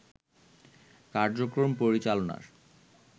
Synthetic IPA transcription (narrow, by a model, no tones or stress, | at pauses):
kaɾd͡ʑokɾompoɾit͡ɕalona̰ɾ